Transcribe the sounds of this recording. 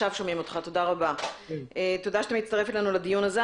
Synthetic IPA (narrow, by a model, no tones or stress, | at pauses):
avʃomimo̞t̪χat̪o̞daʁabaet̪o̞daʃeat̪emit͡st̪ɐʁefelenulad̪ijunaze